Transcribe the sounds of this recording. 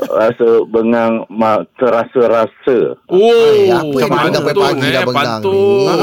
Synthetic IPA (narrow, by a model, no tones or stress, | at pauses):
rasəbəŋaŋmat̪əɾasəɾasəo | at̪